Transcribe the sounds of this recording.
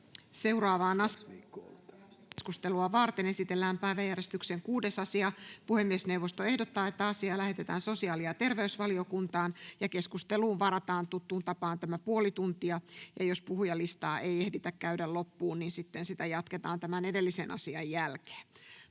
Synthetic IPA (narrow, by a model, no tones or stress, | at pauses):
seurɑːʋɑːnɑ | skust̪eluɑʋɑrt̪enesit̪elːæːmpæiʋæjærest̪ykseŋkuːdesɑsiɑpuhemːiesneuʋːost̪oehdot̪ːɑːet̪ːæɑsiɑːlæhet̪et̪æ̰ːnso̞siɑːliɑt̪erʋeysʋɑliokunt̪ɑːnjɑkeskust̪eluːʋʋɑɾɑt̪ɑːnt̪ut̪ːuːnt̪ɑpɑːnt̪æmæpuolit̪unt̪iɑjɑjospuhujɑlist̪ɑːʔeijehdit̪ækkæydællopːuːnninsit̪ːensit̪æjɑt̪ket̪ɑːnt̪æmænedelːisenʔɑ̰siɑjjælke̥ː